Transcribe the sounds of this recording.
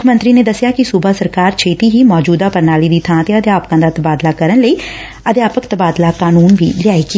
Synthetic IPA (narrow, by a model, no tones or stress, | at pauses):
ʊkʰəmə̃nt̪ɾiːneːd̪əsːɪjaːkɪsubaːsəɾkaːɾt͡ʃʰeːt̪iːɦiːmɔːd͡ʒuːd̪aːpəɾnaːliːd̪iːt̪ʰãːt̪eːəd̪jaːpkãːd̪aːt̪əbaːd̪laːkəɾənləiː | əd̪jaːpəkt̪əbaːd̪laːkaːnuːnʋḭːlɪjaːiːkɪ